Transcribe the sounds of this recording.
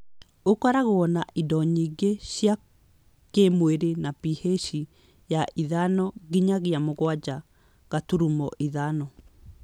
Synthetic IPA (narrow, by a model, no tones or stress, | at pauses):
okaɾaɣoɔnaʔidɔɲiɡeɕja | kemweɾenapiheʃi | jaʔiðanɔɣiɲaɣjamoɣwad͡ʑa | ɣatuɾumɔʔiðanɔ